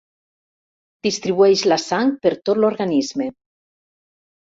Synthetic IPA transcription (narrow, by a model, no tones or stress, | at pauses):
d̪̥ist̪ɾiβueʃlasaŋpeɾt̪ot̪loɾɣanizme